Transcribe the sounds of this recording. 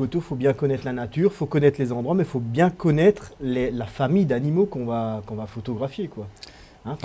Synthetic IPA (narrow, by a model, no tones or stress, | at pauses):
ot̪ofobjɛ̃kɔnɛt̪χlanat̪yʁfokɔnɛt̪χlezɑ̃d̪ʁwamɛfobjɛ̃kɔnɛt̪χlelafamijd̪animokɔ̃vakɔ̃vafot̪ɔɡʁafjekwa | ɛ̃